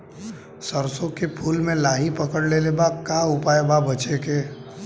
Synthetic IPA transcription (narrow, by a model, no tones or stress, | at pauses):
səɾsõkepʰulmẽlaɦipəkəɽlelebakaupaebabət͡ʃeke